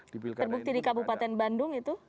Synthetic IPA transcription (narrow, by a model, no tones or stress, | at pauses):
t̪ərbuk̚t̪idikabupat̪ɛnbandʊŋit̪u